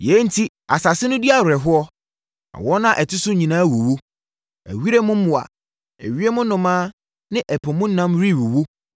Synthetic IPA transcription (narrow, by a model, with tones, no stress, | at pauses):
jɛ˨˦n̩˦tʰi˦ | a̰˨sa˨sɪ˦nʊ̃˦di˦a˦˨ɾʊ˨ɾɛ˨ɦʊ˦ɔ˦ | a̰˨wɔ˦nã˦ʔɛ˨tʰɪ˦sʊ˦ɲĩ˨nãː˦˨wo˨wo˦ | æ̰˨ɥi˦ɾe˦mʊ̃˦m̩˦mʊ̃˨a̰˨ | ɛ̰˨ɥi˦e˦mʊ̃˦nʊ̃˨mãː˦ | nɪ̃˦ʔɛ˨pʰɔ̃˨mʊ̃˦n̩˦nã˦mɾi˦˨wo˨wo˦